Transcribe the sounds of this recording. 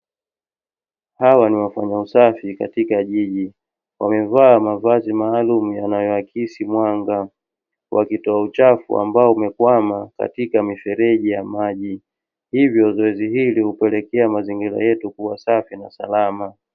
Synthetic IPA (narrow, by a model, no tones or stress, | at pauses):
hawaniwafaɲausafika̰tikaʄiʄi | wamɛvaːmavazimaːlumujanajɔakisimwaŋɡa | wʔa̰kitɔaut͡ʃafṵa̰mbaɔumɛkwamaka̰tikamifɛɾɛʄijamaʄi | hivjɔzɔɛziɦilihupɛlɛkɛamaziŋɡiɾa̰jɛtukuwasafinasa̰lama